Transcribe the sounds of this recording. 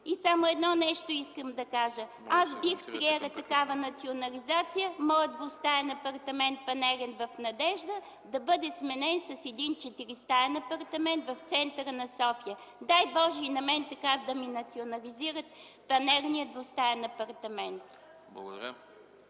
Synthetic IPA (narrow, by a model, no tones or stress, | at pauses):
isamoɛd̪nɔnɛʃt̪oiskəmd̪ɐkaʒə | asbixpɾiɛɾət̪ɐkavənɐt̪sionɐlizat̪sijəmɔjəd̪vost̪ajɐnɐpɐɾt̪ɐmɛnt̪̚pɐnɛɾɛnvɐfnɐd̪ɛʒd̪ə | d̪ɐbɤd̪ɛsmɛnɛnsɐsɛd̪int͡ʃɛt̪iɾist̪aɛnɐpɐɾt̪ɐmɛnt̪vɐft̪sɛnt̪ɾənɐsɔfijə | d̪ajbɔʒɛinɐmɛnt̪ɐkavd̪ɐminɐt̪sionɐliziɾət̪̚ | pɐnɛɾnijəd̪vost̪ajɐnɐpɐɾt̪ɐmɛnt̪ | b̰ˠɡ̰ɾ